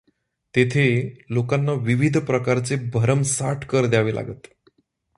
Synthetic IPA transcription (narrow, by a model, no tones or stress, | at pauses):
t̪et̪ʰelokanːaʋiʋid̪ʱpɾəkaɾt͡sebʱəɾəmsaʈʰkəɾd̪jaʋeːlʔa̰ɡət̪